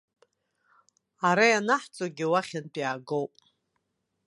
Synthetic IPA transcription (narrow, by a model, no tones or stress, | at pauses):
aɾajanaħt͡sʼoɡʲɪwaχʲanpʼjaːɡowpʼ